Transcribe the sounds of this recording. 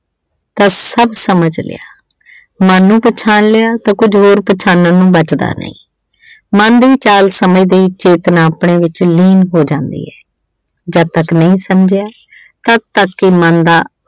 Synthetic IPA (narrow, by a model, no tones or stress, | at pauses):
t̪ãːsəbsəməd͡ʒlɪ̰ja̰ː | mənːũːpət͡ʃʰaːnlejaːt̪ãːkʊd͡ʒɦoːɾpət͡ʃʰaːnːãːnũːbət͡ʃd̪a̰ːnə̰ḭ̃ː | mənd̪iːt͡ʃaːlsəmĩːd̪eit͡ʃeːt̪naːpɳeːʋɪt͡ʃliːnɦoːd͡ʒãːnd̪ḭːɛː | d͡ʒət̪əknəĩːsəmd͡ʒɪjaː | t̪ət̪əkːɪmənd̪aː